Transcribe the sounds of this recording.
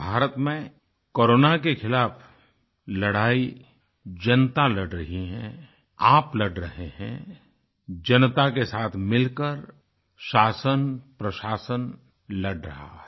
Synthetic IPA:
bʱaːɾət̪mẽ | koːɾoːnakexɪlaːfʰ | lɐɽaːi | d͡ʒɐnt̪alɐɽɖɾɐɦiɦɛ̰̃ | aːplɐɖɾɐɦehɛ̰̃ | d͡ʒɐnt̪akesaːt̪ʰmɪlkəɾ | ʃaːsənpɾəʃaːsən | lɐɖɾɐ̰ɦa̰ɦɛ

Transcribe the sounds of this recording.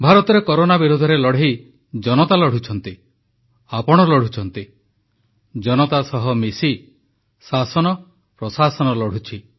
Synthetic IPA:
bʱaɾɔt̪ɔɾekɔɾonabiɾud̪ʱɔɾelɔɽ̤i | d͡ʒɔnɔt̪alɔɽ̤ut͡ʃʰɔnt̪i | apɔɽ̃ɔlɔɽ̤ut͡ʃʰɔnt̪i | d͡ʒɔnɔt̪asɔɦɔmisi | sasɔnɔ | pɾɔsasɔnɔlɔɽ̤ut͡ʃʰi

